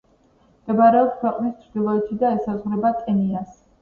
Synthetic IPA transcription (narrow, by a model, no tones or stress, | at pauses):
md̪̥ɛbaɾɛɔpskʰwɛqʼnist̪t͡ʃ̪ʰɾd̪ilˠɔɛt̪ʰid̪aɛsazʁwɾɛbat̪ʼɛnias